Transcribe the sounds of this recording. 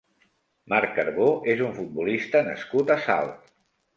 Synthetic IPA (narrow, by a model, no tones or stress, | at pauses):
maɾkkəɾβoʔezuɱfut̪̚bulist̪ənə̰skut̪əsa̰lˠt̪